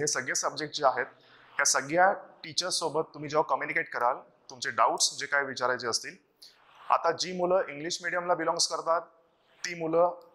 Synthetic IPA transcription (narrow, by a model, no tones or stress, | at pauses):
ɦesəɡɭjasəb̚d͡ʑek̚ʈ̚t͡ɕiːaɦet̪ | ɦjasəɡljaʈit͡ɕəɾsobət̪ːum̤iːd͡zakəmjunikeʈ̚kəɾal | t̪umt͡seɖauʈsd͡ʑekajʋit͡ɕaɾajt͡seəst̪iːl | a̰t̪ad͡ʑiːmuləʔiŋɡliɕmiɽijamlabilɔ̃ŋɡskəɾt̪at̪ː | iːmulə